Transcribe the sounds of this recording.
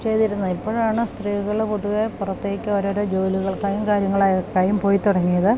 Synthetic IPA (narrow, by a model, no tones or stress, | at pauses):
t͡ɕe̞jt̪iɾunːɐipːoːɻaːɳɨst̪riːɣɐɭpo̞ðuʋe̞purɐt̪ːe̞ːkʲːɨoːɾoːɾod͡ʑo̞ːliɣɐɭkaːjumkaːɾjɐŋːɐɭaːjkːaːjumpo̞ːjit̪ːuɽɐŋːijɐðɨ